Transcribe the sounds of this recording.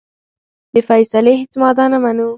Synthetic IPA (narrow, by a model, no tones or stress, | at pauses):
d̪əfajsaleɦet͡smɑd̪ɑnamanu